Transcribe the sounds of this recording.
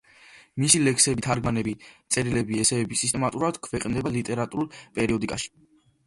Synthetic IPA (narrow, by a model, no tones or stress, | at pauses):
misilɛkʰsɛbit̪ʰaɾɡmanɛbit̪sʼɛɾilɛbiɛsɛːbisist̪ʼɛmat̪ʼuɾad̪̥kʰvɛqʼnd̪ɛbalit̪ʼɛɾat̪ʼuɾulˠpʼɛɾiɔd̪ikʼaʃi̥